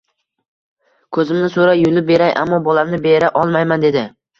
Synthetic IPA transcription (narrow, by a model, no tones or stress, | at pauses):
kʰɵzɪmnɪsoɾajʊlɪp̚be̞ɾajʔa̰mːɒbɒlamnɪbeɾaʔɒlˠmajmand̪e̞d̪ɪ